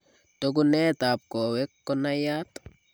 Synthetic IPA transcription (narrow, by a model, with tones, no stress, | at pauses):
toɡ̬u˦neːta˨p̚ko˨we˦kːɔ˦najaː˦t